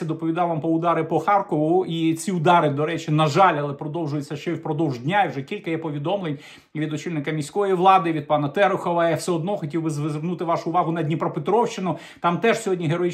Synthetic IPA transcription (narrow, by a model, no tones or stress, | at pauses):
ɐd̪ɔpɔʋʲid̪ɑwʋɑmpɔʊd̪ɑɾɪpɔxɑrkɔʋʊʔit͡sʲiʊd̪ɑɾɪd̪ɔɾɛt͡ʃinɐʒɑlʲɐlˠɛpɾɔd̪ɔwʒʊjʊt͡sʲːɐʃt͡ʃɛwpɾɔd̪ɔwʒdʲnʲaiwʒɛkʲilʲkɐjɛpɔʋʲid̪ɔmlˠenʲ | ʋʲid̪ɔt͡ʃilʲnɪkɐmʲisʲkɔɔjiʋlˠɑd̪ɪʋʲid̪̚pɑnɐt̪ɛɾʊxɔʋɐjawsɛɔd̪nɔxɔtʲiwbɪzʋezʋernut̪ɪʋɑʃʊːʋɑɦʊnɐdʲnʲipɾɔpet̪ɾɔwʃt͡ʃɪnʊ | t̪ɑmt̪ɛʒsʲɔɦɔdʲnʲiɦeɾɔji